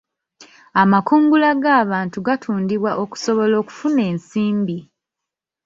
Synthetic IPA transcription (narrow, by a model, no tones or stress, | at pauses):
amakuːŋɡulaɡaːβaːntuɡatʰuːndiβwaʔo̞ku̥so̞βo̞lo̞ːku̥fune̞ːnsiːmbi